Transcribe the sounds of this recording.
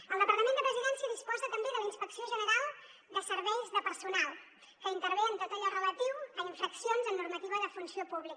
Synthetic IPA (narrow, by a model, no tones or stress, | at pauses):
əlˠd̪əpəɾt̪əmẽnd̪əpɾəziðɛnsiəðispɔzət̪əmbeðələinspəksioʒənəɾalˠ | d̪əsəɾβɛjzðəpəɾsunalˠ | kəint̪əɾβent̪ot̪əʎɔrələt̪iwəiɱfəksionzənːurmət̪iβ̞əðəfunsiopuβlik